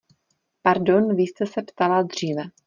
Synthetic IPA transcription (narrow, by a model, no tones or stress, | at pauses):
paɾdo̞nviːst̪ɛsɛpt̪alad̪r̝iːvɛ